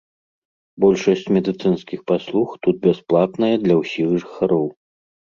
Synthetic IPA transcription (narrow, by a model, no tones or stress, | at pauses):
bɔlʲʂɐsʲt͡sʲmʲɛd̪ɨt̪sɨnskʲixpaslˠuxt̪ut̪̚bʲɛsplˠat̪nɐjɐd̪lʲɐwsʲixʐɨxaɾɔw